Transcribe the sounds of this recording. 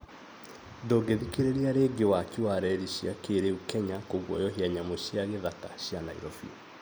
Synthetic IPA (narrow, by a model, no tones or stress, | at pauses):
dɔɡeðikeɾeɾiaɾeɡewakiwaɾɛɾiɕiakeɾeukɛɲakoɣwɔ̰jɔɦiaɲamoɕiaɣeðataɕjanaḭɾɔfḭɔ